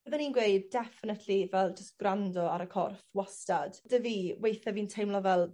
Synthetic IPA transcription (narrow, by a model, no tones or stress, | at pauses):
bəðəninɡwejd̚ːɛfɪnətʰlivɛlˠd͡ʒəst̚ɡ̥randɔaɾəkʰɔ̰rθwɔstad̥d̥əviːwejθɛviːntʰejmlˠɔvɛlˠ